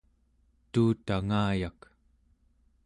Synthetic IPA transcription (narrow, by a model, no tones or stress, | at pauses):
t̪uːt̪aŋaːjak